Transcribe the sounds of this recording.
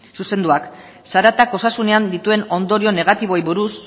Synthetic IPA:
suse̞nd̪uak | saɾat̪ako̞sasune̞and̪it̪ue̞no̞nd̪o̞ɾio̞ne̞ɣ̞at̪iβ̞o̞jβuɾus

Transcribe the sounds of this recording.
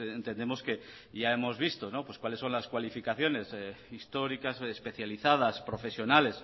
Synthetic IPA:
ent̪e̞nd̪e̞mo̞ske̞ | ʝae̞mo̞zβ̞ist̪o̞no̞pwe̞skwale̞sːo̞nlaskwalifikaθjo̞ne̞sist̪o̞ɾikasespe̞θjaliθað̞aspɾo̞fe̞sjo̞nale̞s

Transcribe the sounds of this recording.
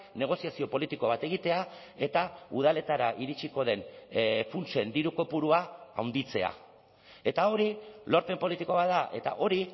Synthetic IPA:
ne̞ɣ̞o̞siasio̞po̞lit̪iko̞β̞at̪e̞ɣ̞it̪e̞a | e̞t̪auð̞ale̞t̪aɾaʔiɾit͡ʃiko̞ð̞e̞nfunt͡ʃe̞nd̪iɾuko̞puɾuaawnd̪it͡se̞a̰ | e̞t̪ao̞ɾilo̞ɾpe̞mpo̞lit̪iko̞βaðaʔe̞̰t̪a̰ʔo̞ɾi

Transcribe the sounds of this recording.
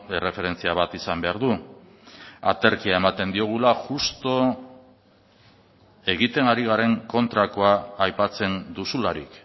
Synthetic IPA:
e̞rʔe̞fe̞ɾe̞nt͡siaβat̪isambe̞aɾðu | at̪e̞ɾkiae̞mat̪e̞nd̪io̞ɣ̞ulaʝust̪o̞ | e̞ɣit̪e̞ŋaɾiɣ̞aɾe̞ŋko̞nt̪ɾako̞aːjpat͡se̞nd̪usulaɾḭk

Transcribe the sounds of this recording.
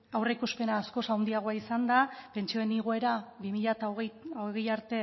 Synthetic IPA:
awreikuspe̞naːsko̞sawnd̪iaɣ̞o̞aisand̪ape̞nt͡ʃio̞eniɣ̞oe̞ɾaβimiʎat̪aoɣejaɾt̪e̞

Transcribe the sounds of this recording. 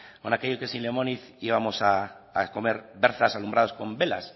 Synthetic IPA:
konake̞ʎokesinlemoniθiβamosaː | ko̞me̞ɾbe̞ɾθasalumbɾaðosko̞mbe̞la̰s

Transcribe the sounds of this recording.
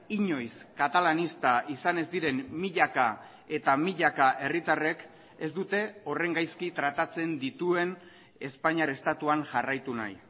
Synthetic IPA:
iɲo̞jskat̪alanist̪aʔisane̞zd̪iɾe̞nmiʎaka | e̞t̪amiʎakaʔe̞rit̪are̞k | e̞zd̪ut̪e̞o̞re̞ŋɡajskit̪ɾat̪at͡se̞nd̪it̪ue̞n | e̞spaɲaɾe̞st̪at̪uaŋʝarajt̪una̰j

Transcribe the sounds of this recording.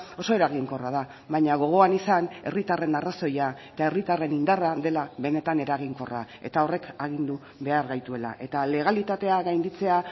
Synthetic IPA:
o̞so̞e̞ɾaɣ̞iŋko̞raða | βaɲaɣ̞o̞ɣ̞o̞anisane̞rit̪are̞naraso̞jaet̪ae̞rit̪are̞nind̪araðe̞laβe̞ne̞t̪ane̞ɾaɣ̞iŋko̞ra | e̞̰t̪ao̞re̞kaɣ̞ind̪u | βe̞aɾɣajt̪ue̞la̰ʔe̞t̪ale̞ɣ̞alit̪at̪e̞aɣajnd̪it͡se̞a

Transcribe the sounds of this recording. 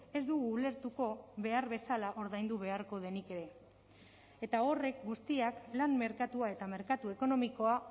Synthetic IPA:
e̞zd̪uɣuːle̞ɾt̪uko̞βe̞aɾβe̞salaʔo̞ɾðajnd̪uβ̞e̞aɾko̞ð̞e̞nike̞ɾe̞ | et̪ao̞re̞k̚ɡust̪iaklanme̞ɾkat̪uae̞t̪ame̞ɾkat̪ue̞ko̞no̞miko̞a

